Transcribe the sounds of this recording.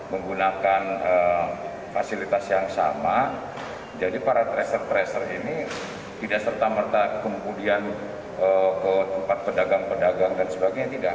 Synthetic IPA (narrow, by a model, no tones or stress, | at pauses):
məŋɡunakanə | fasilit̪asjaŋsa̰ma | d͡ʒadipaɾat̪ɾɛsərt̪ɾɛsərini | t̪idaʔsərt̪amərt̪akəmudian | əkət̪əmpat̪̚pədaɡaŋpədaɡaŋdansəbaɡajɲat̪idaʔ